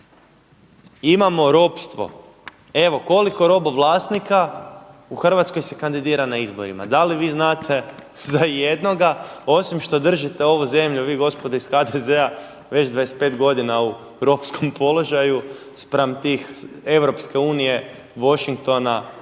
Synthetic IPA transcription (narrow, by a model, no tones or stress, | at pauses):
imamo̞ɾo̞pst̪ʋo̞̰ | e̞ʋo̞ko̞liko̞ɾo̞boʋlˠaːsnikauxr̩ʋat̪sko̞jse̞kand̪id̪iːɾanaizbo̞̰ɾḭma̰d̪aliʋiːznaːt̪ʰe̞ | zaje̞d̪no̞ɡao̞simʃt̪o̞d̪r̩ʒit̪e̞o̞ʋuze̞mʎuʋiːɡo̞spo̞d̪aisxad̪eze̞a | ʋe̞t͡ɕd̪ʋajespe̞ːt̪ɡo̞d̪inau | ɾo̞psko̞mpo̞lˠo̞ʒaju | spɾamt̪iːxe̞ʋɾo̞pske̞uːnije̞ | ʋo̞ʃiŋk̚t̪o̞na